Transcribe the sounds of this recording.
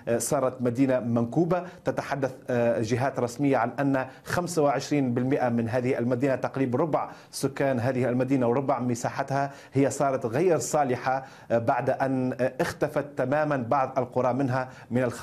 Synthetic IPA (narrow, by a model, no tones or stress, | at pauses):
sˤɑːɾˤɑt̪mad̪iːnamankuːbat̪at̪aħad̪ːaθʒɪɦaːt̪ɾˤɑsmɪjːaʕanʔanːxamsawɪʕɪʃɾiːnbɪlmɪʔamɪnɦaːðɪhiʔalmad̪iːnat̪ɑqɾiːbɾˤʊbʕ | sʊkːaːnɦaːðɪhalmad̪iːnawɾˤʊbʕmɪsaːħat̪ha | hɪjːasˤɑːɾˤɑt̪ɣajːɾsˤɑːlɪħa | baʕd̪ʔanʔɪxt̪afat̪ːamaːmanbɑʕðˤʔalqʊɾˤɑːʔmɪnɦa | mɪnalx